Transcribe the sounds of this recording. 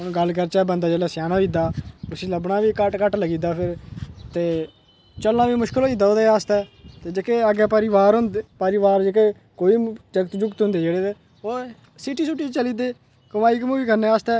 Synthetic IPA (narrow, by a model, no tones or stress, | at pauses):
ɡəlkəɾt͡ʃɛːbənd̪aːd͡ʒeːlɛːsjaːnãːʋiːd̪aːʊsiːləbnaːʋiːkəʈkəʈləɡiːd̪aːpʰɪɾt̪eː | t͡ʃəlnãːʋiːmʊʃkəloːiːd̪aːoːd̪eːaːst̪ɛːt̪eːd͡ʒekeːəɡɛːpəɾiʋaːɾɦʊnd̪pəɾiʋaːɾd͡ʒekeː | koːiːd͡ʒəkt̪d͡ʒʊkt̪ɦʊ̃nd̪eːd͡ʒeːɽeːt̪eː | oː | siʈiːsʊʈːiːt͡ʃəliːd̪eː | kəmaːiːkmũːʋiːkəɾneːaːst̪ɛː